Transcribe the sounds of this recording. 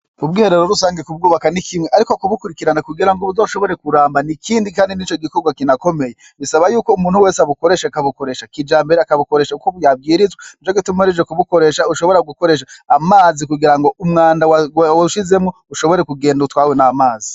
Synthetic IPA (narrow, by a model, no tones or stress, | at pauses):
ubɡiːhe̞ɾeɾo̞ɾusaːŋɡekub̚ɡuːβakanikʰimŋeʔaɾikokuβukuɾikiɾanakuɡiɾaŋɡoβuzoʃo̞βo̞ɾe̞kuɾaːmbanikiːndikaːndinit͡ʃo̞ɡikoɡwakinako̞me̞je | βisaβajuːko̞umuːnhuwe̞ːsaβuko̞ɾe̞ʃeakaβuko̞ɾe̞ʃakid͡ʒaːmbe̞ɾeakaβuko̞ɾe̞ʃakukoβujab̚ɡiːɾizwat͡ʃoɡitumaɾed͡ʒekuβuko̞ɾe̞ʃauʃo̞βo̞ɾaɡuko̞ɾe̞ːʃ̬aːmaːzikuɡiɾaŋɡo̞ʔumŋaːndawwaʃize̞mŋo̞uʃo̞βo̞ɾekuɡe̞ːndutwaːwenamaːzi